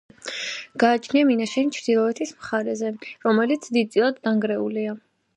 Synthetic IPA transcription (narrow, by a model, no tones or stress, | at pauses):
ɡ̥aːt͡ʃʰniaminaʃɛnt͡ʃʰɾd̪ilˠɔɛt̪ʰismχaɾɛzɛɾɔmɛlit̪sʰd̪id̪̚sʼilˠad̪ːaŋɡɾɛulia